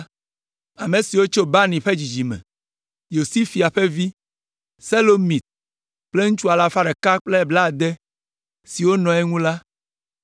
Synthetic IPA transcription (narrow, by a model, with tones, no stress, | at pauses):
a˨me˨si˨wo˦t͡ʃo˦ba˦nĩ˨ɸe˦d͡ʑi˨d͡ʑi˨mɛ̰̃˨ | jo˨si˦fi˨a˨ɸe˦vi˦ | se˦lo˦mĩ˨t̪̚ | k͡ple˦ŋũ˦t͡ʃu˦a˨la˨fa˦ɖɛ˨ka˦k͡ple˦˨bla˦˨d̪ɛ˦ | si˨wo˦nɔ̃˨ɛ˦ŋũ˦la˦